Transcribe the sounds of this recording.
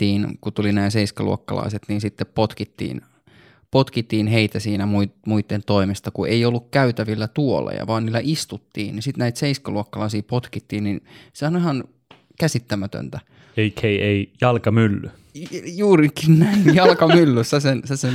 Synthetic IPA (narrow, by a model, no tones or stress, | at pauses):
iːnkut̪ulinæːseiskɑ̰lṵo̰kːɑ̰lɑ̰iset̪niːnsit̪ːeppot̪kit̪ːḭːn | pot̪kit̪ːiːnheit̪æsiːnæmuimuit̪ːent̪oimest̪ɑkuʔeiolːukkæyt̪æʋilːæt̪uo̰lɑ̰jɑ̰ʋɑːnniːlːæʔist̪ut̪ːḭːnnisit̪næit̪seiskæluokːɑlɑisiːpot̪kit̪ːiːnninseonihɑn | kæsit̪ːæmæt̪ø̰nt̪æ | eikheieijɑlkɑmylːy | juːrikinnæinjɑlkɑmylːyssesensæsen